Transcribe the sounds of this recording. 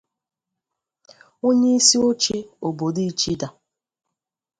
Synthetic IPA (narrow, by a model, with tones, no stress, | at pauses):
o˦ɲe˦i˦si˦o˦t͡ʃe˦o˨bo˨di˦i˦t͡ʃi˦da˨